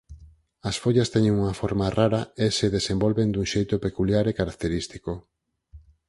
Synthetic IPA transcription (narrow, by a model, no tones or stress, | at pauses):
ɐsfoʎɐst̪ɛɲẽŋuŋɐfoɾmaraɾaeseðesembɔlβend̪uŋʃejt̪opekuljaɾekaɾakt̪eɾist̪iko